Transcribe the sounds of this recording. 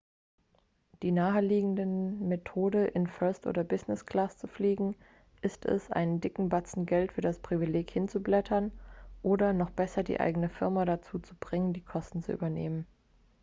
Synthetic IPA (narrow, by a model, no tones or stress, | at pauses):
d̥iːnaːəliːɡŋ̩dəmetʰoːdəʔɪnfœɐstʔo̰ːdɐbɪznɪskl̥aːst͡sufliːɡŋ̩ | ʔɪstʰɛ̰sʔa̰ɪnndɪkŋ̩bat͡sn̩ɡɛltfyːɐdaspʁ̥ivileːkhɪnt͡sublɛtʰɐnʔoːdɐnɔχb̥ɛsɐdḭːʔa̰ɪɡənəfɪɐmadat͡suːt͡sub̥ʁɪŋəndiːkʰɔstn̩t͡sṵʔy̰ːbɐnḛːmən